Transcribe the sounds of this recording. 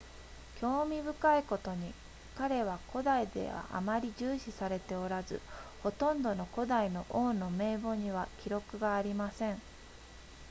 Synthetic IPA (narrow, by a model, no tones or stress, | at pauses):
kʲo̞ːmʲibɯ̟kaiko̞t̪o̞ɲ̟i | kaɾe̞βako̞d̪aid̪e̞̰βa̰ʔa̰maɾʲiʑɨːɕisaɾe̞t̪e̞o̞ɾazɨ̰ho̞t̪õ̞nd̪o̞no̞ko̞d̪aino̞ʔoːno̞me̞ːbo̞ɲ̟iβakʲiɾo̞kɯ̟ɡaːɾʲimasẽ̞ɴ